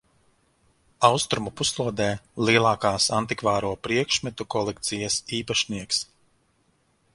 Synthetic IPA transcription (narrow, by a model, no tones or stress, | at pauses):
awst̪ɾumupuslˠuɔd̪ɛːlˠiɛlˠɑːkaːsant̪ikvaːɾuɔpɾiɛkʃmɛt̪ukɔlˠɛkt̪sijɐsiːpaʃniɛks